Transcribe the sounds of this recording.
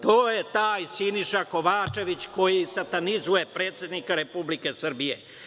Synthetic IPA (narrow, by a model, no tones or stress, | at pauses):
t̪oːjet̪aːjsiniʃako̞ʋaːt͡ʃe̞ʋit͡ɕko̞jisat̪anizujepɾeːt̪sje̞d̪nikaɾe̞publike̞sr̩bijḛ